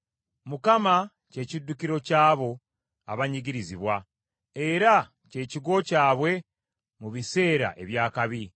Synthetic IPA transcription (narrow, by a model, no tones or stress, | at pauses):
mukama | ce̞ːcidːukiɾo̞caːβo̞ | a̰βaɲiɟiɾiziβwa | e̞ɾa | ce̞ːciɡo̞caːβwe̞ | muβise̞ːɾa̰ʔe̞βjaːkaβi